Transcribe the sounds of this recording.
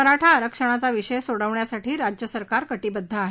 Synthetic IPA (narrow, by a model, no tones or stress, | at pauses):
əɾaʈʰaəɾəkʂəɽ̃at͡saʋiɕəjsoɽəʋɳjasaʈʰiːɾad͡ʑjəsəɾkaɾkəʈiːbəd̪ʱːaaɦ